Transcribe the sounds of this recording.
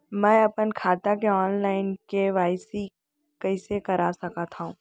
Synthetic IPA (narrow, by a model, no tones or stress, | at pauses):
mɛ̃ːɐpənkʰaːt̪akeɔːnlaːɪnkeʋaːɪsi | kɐɪsekɐɾasɐkat̪ʰaũː